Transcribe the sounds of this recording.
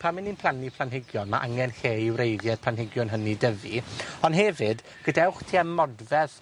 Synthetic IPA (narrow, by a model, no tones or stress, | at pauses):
pʰamɪnːinpʰlˠanipʰlˠanɦɪɡjɔnma̰ʔaŋɛnheːiwrejðjɛd̥̚pʰlanɦɪɡjʊnɦənidəviɔnɦɛvɨd | ɡ̥ədɛwχtʰiːammɔdvɛð